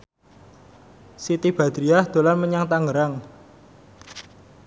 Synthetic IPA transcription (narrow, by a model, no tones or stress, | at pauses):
sit̪ib̥a̤d̪̥ɾiahd̪̥o̤lanməɲaŋt̪aŋɡəɾaŋ